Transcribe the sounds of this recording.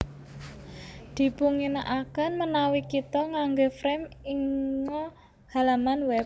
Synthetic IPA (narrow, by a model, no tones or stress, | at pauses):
d̪̥i̤puŋinaʔakanmənawikit̪ɔŋaŋɡofɾɛmiŋɔ | halamanwɛp̚